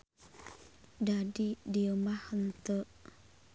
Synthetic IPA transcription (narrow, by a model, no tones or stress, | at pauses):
dadidiəmahənt̪əʔ